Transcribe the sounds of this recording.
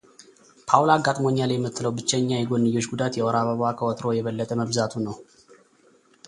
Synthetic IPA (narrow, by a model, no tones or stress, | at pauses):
pʰawlaɡːat̪ʼmo̞njalajɛmːɨt̪ʰːɨləwbɨt͡ʃːɛɲːajɛɡo̞nːɨjo̞t͡ʃːɡud̪at̪jɛɔɾaβəβwakʰəwɔt̪ʰɾo̞jɛβəlːət̪ʼəməβzat̪ʰunəw